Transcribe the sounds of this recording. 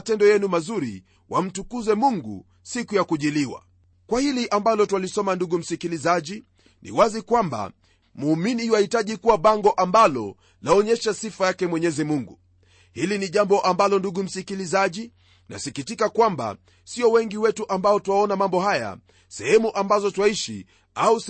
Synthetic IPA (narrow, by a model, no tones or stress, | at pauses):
tɛndɔjɛnumazuɾḭ | wʔam̩tukuzɛmuŋɡṵ | sikujakuʄiliwa̰ | kwahiliʔambalɔtwalisɔmanduɠum̩sikilizaʄi | nḭwazikwamba̰ | muːminiwahitaʄikuwaɓaŋɡɔʔambalɔ̰ | laɔɲɛʃasifajakɛmwɛɲɛzimuŋɡu | hiliniʄambɔʔambalɔnduɡum̩sikilizaʄi | na̰sikitikakwamba̰ | siɔwɛŋɡiwɛtuʔambaɔtwaɔnamambɔhaja̰ | sɛhɛmuʔambazɔtwaiʃḭ | au